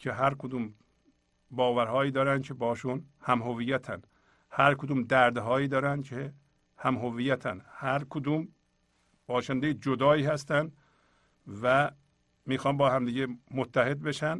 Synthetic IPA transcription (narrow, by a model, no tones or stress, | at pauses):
cʰeɦæɾkʰod̪uːm | bɒːvæɾhɒːjiːd̪ɒːɾænkʰebɒːʃunhæmɦoviːjæt̪ʰæ̰n | hæɾkʰod̪uːmd̪æɾd̪ɦɒːjiːd̪ɒːɾænd̪cʰe | hæmɦovijæt̪ʰæ̰nhæɾkʰod̪uːm | b̥ɒːʃænd̪ejed͡ʒod̪ɒːiːhæst̪ænd̪ | væ | miːxɒːnbɒːɦæmd̪iːɟemot̪ʰːæhe̞d̪̚beʃæn